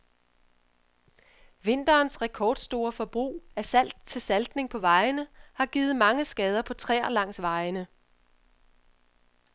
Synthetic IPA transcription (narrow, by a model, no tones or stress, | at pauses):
ʋe̝n̰d̥ɐːnsʁɛkʰɒːd̥sd̥o̝ːɐfɒ̽b̥ʁṵːæɐsæl̰d̥̚t͡sʰe̝lsæld̥ne̝ŋpʰɒ̽ʋɑ̈ɪnəhɑ̈ɡ̥iːð̩ˠmɑ̈ŋəsɡ̥ɛːð̞ˠɐpʰɒ̽t͡sʰʁɛ̰ːɐlɑ̈ŋ̰sʋɑ̈ɪnə